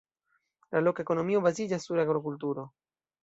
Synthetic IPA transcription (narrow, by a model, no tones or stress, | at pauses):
lalokekonomiːobazid͡ʒasuɾaɡɾokult̪uːɾo